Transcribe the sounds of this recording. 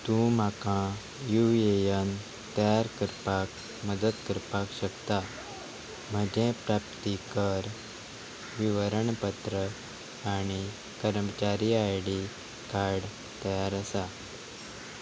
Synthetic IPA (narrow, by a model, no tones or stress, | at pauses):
t̪ũmakã | juʋiejan | t̪əjaɾkəɾpak | məd̪əd̪kəɾpakɕəkt̪a | m̤əd͡ʑẽpɾap̚t̪ikəɾ | ʋiʋəɾəɳpət̪ɾə | aɽ̃i | kəɾmət͡ɕaɾiajɽi | kaɾɽ | t̪əjaɾəsa